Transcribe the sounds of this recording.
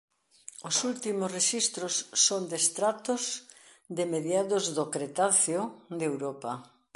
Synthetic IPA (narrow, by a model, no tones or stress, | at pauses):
osult̪imosreʃist̪ɾosːond̪est̪ɾat̪ʊz | d̪emeðjaðozðokɾet̪aθjod̪ewɾopa